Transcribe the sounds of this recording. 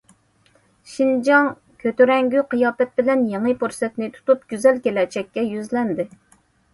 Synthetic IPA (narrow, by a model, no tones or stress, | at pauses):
ʃind͡ʒɑŋ | kʲʰøt̪yɾɛŋɡʲyqʰɨjɑːpɛt̪̚bɪlɛnjeŋɨpuɾsɛt̪nɪt̪ʰu̥t̪up̚ɡʲyzɛlkʲelɛt͡ʃɛkʲːɛjyzlɛnd̪ɪ